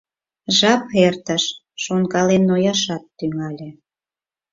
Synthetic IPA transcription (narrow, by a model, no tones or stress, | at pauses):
ʒɑpert̪əʃː | onkɑlenːojɑʃɑt̪ːyŋɑlʲĕ